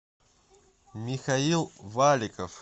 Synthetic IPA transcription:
mʲɪxɐilˠvalʲɪkəf

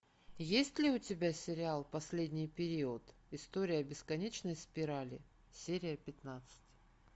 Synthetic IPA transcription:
jesʲtʲlʲɪʊtʲɪbʲasʲɪɾʲɪalˠpɐsʲlʲedʲnʲɪjpʲɪɾʲiʊt̪ | ɪst̪oɾʲɪjəɐbʲɪskɐnʲet͡ɕnəjspʲɪɾalʲɪ̰ | sʲeɾʲɪjəpʲɪt̪nat̪sɨ̥tʲ

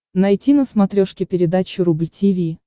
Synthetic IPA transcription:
nɐjtʲinəsmɐt̪ɾʲoʂkʲɪpʲɪɾʲɪd̪at͡ɕʊɾublʲtʲivʲi

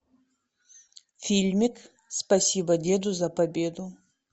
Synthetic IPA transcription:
fʲilʲmʲik | spɐsʲibɐdʲed̪uzɐpɐbʲed̪u

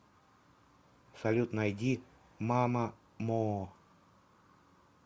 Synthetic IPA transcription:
sɐlʲut̪nɐjdʲi | mamə | mo

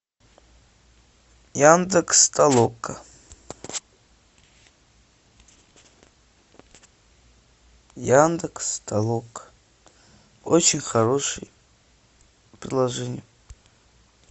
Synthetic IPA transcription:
jand̪ɨkst̪ʰʼalˠokʼːə | jand̪ɨkst̪ʰʼalˠokʰʼ | ot͡ɕʰɪnʲxaɾo̞ʂɨ̰j | pɾʲɪd̪lˠɐʐɛnʲɪj

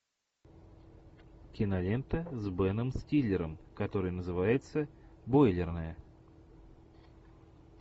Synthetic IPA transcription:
kʲɪnɐlʲent̪əzʲbɛnəmsʲtʲilʲːɪɾəmkɐt̪o̞ɾɨjnəzɨvajɪt̪səbojlʲɪrnəjə

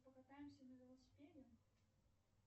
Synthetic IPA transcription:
pɐkat̪ajɪmsʲɐnɐvʲɪlˠɐsʲɪ̥pʲedʲɪ

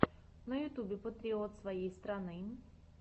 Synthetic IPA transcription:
nɐjʊt̪ubʲɪpɔt̪ɾʲeot̪svɐjejst̪ɾanɨ

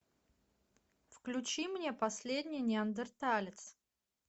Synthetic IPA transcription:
fklʲʊt͡ɕimnʲe̞pɐsʲlʲedʲnʲɪjnʲɪɐnd̪ərt̪alʲɪt̪s

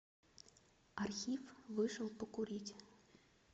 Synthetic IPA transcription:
ɐrxʲifʋɪʃɔwpɔkʊɾʲitʲ

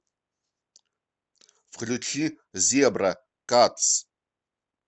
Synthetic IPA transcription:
fχɮʲut͡ʃʰi | ziabra | kʼat͡sʰ

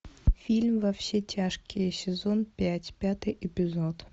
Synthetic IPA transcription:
fʲilʲmvɐfɕʲetʲʰaʂkʲɪjsʲɪzonpʲætʲpʲat̪ɨjʔɪpʲɪzot̪

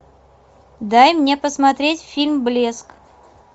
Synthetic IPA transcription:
d̪ajmnʲe̞pəsmɐt̪ɾʲetʲfʲilʲmblʲesk

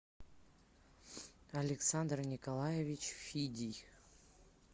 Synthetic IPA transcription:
ɐlʲɪksand̪rnʲɪkɐlˠajevʲit͡ɕfʲidʲij

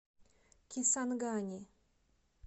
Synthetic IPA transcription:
kʲisanɡanʲi

